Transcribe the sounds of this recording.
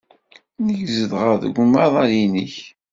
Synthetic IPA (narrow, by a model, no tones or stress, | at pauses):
nəʝzəðʁəðə̰ɡʷmɑðˤɑɾjiniç